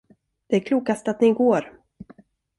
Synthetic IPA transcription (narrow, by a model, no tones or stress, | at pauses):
d̪̥ɛæɾkʰluːkast̪at̪nɪɡoːɾ